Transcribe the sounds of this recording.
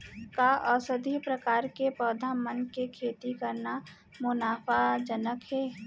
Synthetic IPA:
kaʔɔsəd̪ʱipɾəkaːɾkepɔːd̪ʱamənkekʰeːt̪ikɐɾna | mʊnaːfad͡ʒənəkɦɛː

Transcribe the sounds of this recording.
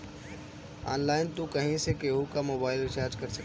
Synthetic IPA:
a̰ːnlaːɪnt̪ũkɐɦĩsekeːɦukamoːbaːɪlɪt͡ʃaːɾd͡ʒkɐɾsɐ

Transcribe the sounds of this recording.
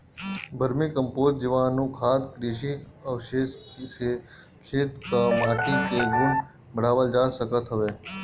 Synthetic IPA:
bʱəɾmikəmpoːt̪d͡ʒɪʋãːnũːkʰaːd̪kɾiʃ̬iəʋʃeːʃkise | kʰeːt̪kamaːʈikeɡʱʊn | bəɽ̤aːʋəld͡ʒaːsəkət̪ɦəʋeː

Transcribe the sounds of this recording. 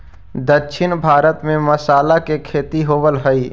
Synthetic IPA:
d̪əkʃʰɪnbʱaːɾət̪mẽmɐsaːlakekʰeːt̪iɦoːʋəlɦəi

